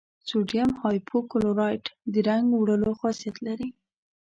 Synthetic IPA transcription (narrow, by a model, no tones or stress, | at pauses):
suɖjamhɑjpʰokʊloɾɑjʈd̪əɾaŋɡwɽəloxɑsijat̪laɾi